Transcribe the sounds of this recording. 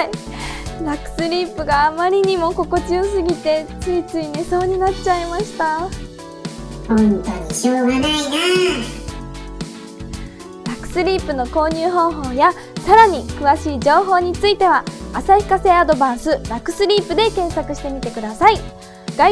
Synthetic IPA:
i | ɾakɯ̟̥sɨɾʲiːpɯ̟ɡaːmaɾʲiɲ̟imo̞ko̞ko̞t͡ɕiosɨɡʲit̪e̞t͡sɨit͡sɨine̞so̞ːɲ̟inatt͡ɕaimaɕi̥t̪a | ot̪aɕianaine | ɾakːɯ̥sɨɾʲiːpɯ̟no̞ko̞ːɲ̟ɨːɦo̞ːɦo̞ːja | saɾaɲ̟ikɯ̟βaɕiːd͡ʑo̞ːɦo̞ːɲ̟it͡sɨit̪e̞βaːsaiɸɯ̥kase̞ːad̪o̞bãɰ̃sɨɾakɯ̟̥sɨɾʲiːpɯ̟d̪e̞kẽ̞ɰ̃sakɯ̟ɕi̥t̪e̞mʲit̪e̞kɯ̟d̪asai | ɡ̥a

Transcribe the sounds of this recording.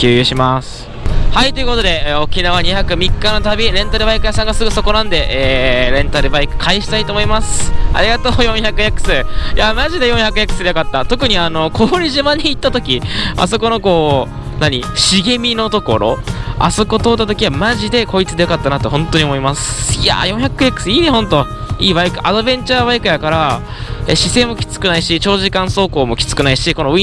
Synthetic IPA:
kʲɨːjɯːɕimasɨ̥ | hait̪o̞jɯ̟ko̞t̪o̞d̪e̞o̞kʲinaβ̞aɲ̟içakɯ̟mʲikːano̞t̪abʲiɾẽ̞nt̪aɾɯ̟baikɯ̟jasãŋɡasɨɡɯ̟so̞ko̞nãnd̪e̞ʔeːɾẽ̞nt̪aɾɯ̟baikɯ̟̥kʰaiɕi̥t̪ait̪oːmoimasɨ̥a̰ɾʲiɡat̪o̞ːjõ̞ɰ̃çakɯ̟jakɯ̟̥sɨːjamaʑid̪e̞jõ̞ɰ̃çjakɯ̟jakɯ̟̥sɨd̪ejokat̪ːat̪o̞kɯ̟ɲ̟iano̞kʰo̞ːɾʲiʑimaɲ̟iːt̪ːat̪o̞kʲia̰so̞ko̞no̞ko̞ː | naɲ̟iɕiɡe̞mʲino̞t̪o̞ko̞ɾo̞̰a̰so̞ko̞t̪o̞ːt̪ːat̪o̞kʲiβamaʑid̪e̞ko̞it͡sɨd̪e̞jokat̪ːanat̪ːo̞ɦõ̞nt̪o̞ɲ̟iomo̞imasɨ̥ja̰jõ̞ɰ̃çakːɯ̟jakːɯ̟̥sɨiːnehõ̞nt̪o̞ | iːβaikɯ̟ʔad̪o̞bẽ̞ɲ̟t͡ɕaːβaikɯ̟jakaɾa | eɕise̞ːmo̞kʲi̥t͡sɨ̥kɯ̟naiɕit͡ɕo̞ːʑikãɰ̃so̞ːko̞ːmo̞kʲi̥t͡sɨ̥kɯ̟naiɕiko̞noi

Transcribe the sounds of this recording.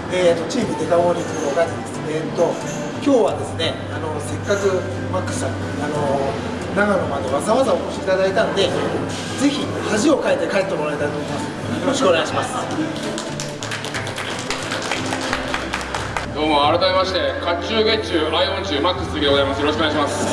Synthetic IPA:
et̪ːo̞t͡ɕiːmɯ̟d̪e̞ɡ̪ãoɾʲit͡sɨnoɡat͡ɕid̪esnet̪ːo̞ | kʲo̞ːβad̪e̞sɨne̞ | ano̞se̞kːakɯ̟ | makːɯ̥sãɲ | ano̞ | naɡanomad̪e̞βazaβazaoko̞ɕiit̪ad̪ait̪ano̞d̪e̞ | d͡ze̞çi | haʑio̞kaet̪ːe̞kaet̪ːemo̞ɾait̪ait̪omoimasɨ̥ | joɾoɕkoneaɕimasɨ̥ | d̪̥o̞ːmoaɾat̪amemaɕi̥t̪e̞kʰat͡ɕːɨːɡe̞t͡ɕɨːɾaiõ̞ɲt͡ɕɨːmakːɯ̥sɾʲioɡozaimasɨjoɾoɕkoeaɕimasɨ̥

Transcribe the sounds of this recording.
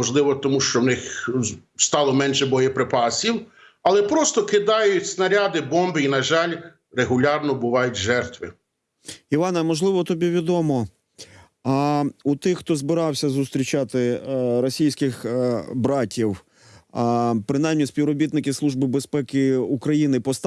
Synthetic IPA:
ɔʒlˠɪʋɔt̪ɔmuʃt͡ʃɔwnɪx | st̪ɑlˠɔmɛnʃɛbɔjɛpɾɪpɑsʲiw | ɐlˠɛpɾɔst̪ɔkɪd̪ɑjʊtʲsnɐɾʲad̪ɪbɔmbɪinɐʒɑlʲ | reɦʊlʲɑrnɔbʊʋɑjʊtʲʒɛrt̪ʋɪ | iʋɑnɐmɔʒlˠɪʋɔt̪ɔbʲiʋʲid̪ɔmɔ | ut̪ɪxːt̪ɔzbɪɾɑwsʲɐzʊst̪ɾʲit͡ʃɑt̪ɪɾɔsʲijsʲkɪxbɾɑtʲiw | pɾɪnɑjmnʲispʲiwɾɔbʲit̪nɪkɪslˠuʒbɪbespɛkɪukɾɐjinɪpɔst̪

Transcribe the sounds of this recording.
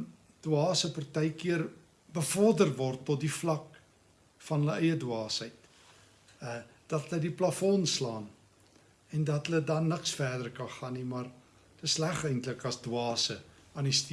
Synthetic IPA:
d̥wɑːsəpɐrtɛjkiər | bəfɔrdərvɔrtːɔt̚diflɐk | fɐnɦələɛjədwɑːsəjt | əd̥ɐtɦələdiplɐfɔnslɑːn | ɛndɐtɦələdɐnːəksfæːdərkɐnχɑnːimɐr | təslæχəjntləkɐsdwɑːsəɑːnisti

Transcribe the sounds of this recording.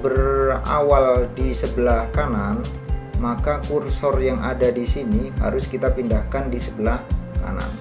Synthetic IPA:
bəra̰waldisəbəlahkanan | makakursɔrjaŋʔa̰dadisiniɦa̰ɾʊskit̪apindahkandisəbəlahka̰na̰n

